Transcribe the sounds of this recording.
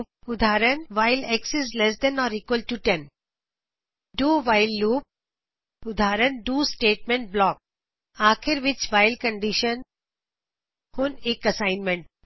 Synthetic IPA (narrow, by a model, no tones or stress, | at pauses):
ʊd̪ʱaːɾənʋaɪlɛksɛslɛs̬d̪ɛ̃nɔːɾiːkʋəlʈuʈɛ̃n | ɖuːʋaɪlːuːp̚ | ʊd̪ʱaːɾənɖuːsʈeːʈ̚mẽɳʈ̚blɔːk̚ | aːkʰɪɾʋɪt͡ʃʋaɪlkə̃ɳɖɪʃə̃n | hʊneːkɐsaɪ̃nmẽɳʈ̚